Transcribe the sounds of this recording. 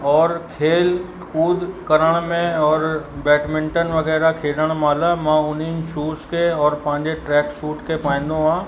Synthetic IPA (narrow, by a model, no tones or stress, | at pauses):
ɔːɾkʰeːl | kuːd̪kɐɾəɽ̃mẽɔːɾbɛːʈmɪ̃ɳʈənʋɐɣɛːɾakʰeːləɽ̃maːlamãʊn̤inɪ̆ʃuːskeɔːɾpɐ̃ɦɪ̃ɲd͡ʑeʈɾɛːksuːʈkepãːɪ̃n̆d̪oɦãː